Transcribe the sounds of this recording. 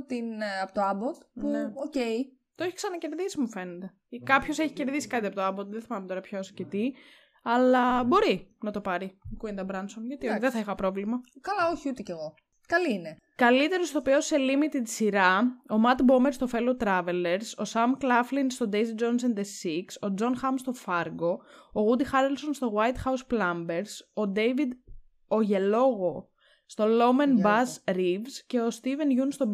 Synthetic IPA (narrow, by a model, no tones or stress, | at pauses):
t̪inɐpot̪oɐbot̪puneocei | t̪oeçi̥ksɐnɐce̞ɾðisimufe̞net̪e̞ | kɐpço̞seçi̥ce̞ɾðisi̥kɐt̪iɐpot̪oɐbot̪ðeθimɐmet̪o̞ɾɐpçoscet̪i | ɐlɐbo̞ɾinɐt̪o̞pɐɾikuind̪ɐbɾɐnsomʝɐt̪ioçðeθɐixɐpɾo̞vlimɐkɐlɐoçiut̪eceɣo̞ | kɐliine | kɐlit̪e̞ɾost̪opeose̞limit̪id̪siɾɐo̞mɐt̪bo̞meɾst̪o̞fe̞lot̪ɾɐve̞le̞ɾso̞sɐmklɐflinst̪o̞d̪ejzid̪d͡ʒons̬end̪esikso̞d͡zo̞nxɐmst̪o̞fɐɾɡo̞ːɣud̪ixɐɾelso̞nst̪o̞ɣwɐjt̪xɐusplɐmbe̞ɾso̞d̪e̞jvid̪ | oʝe̞lo̞ɣo̞ | st̪o̞lo̞menbɐsɾivsce̞o̞st̪ive̞nʝunst̪ob